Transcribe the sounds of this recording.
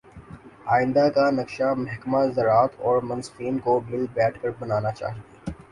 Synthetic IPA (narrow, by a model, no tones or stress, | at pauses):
aːɪ̃nd̪akanɐkʃamɐɦkmazɐɾaːt̪ʰɔːɾmɐ̃nsfiːnkobɪlbɛːʈʰkɐɾbɐnaːnat͡ʃa̰ːɦt̪iː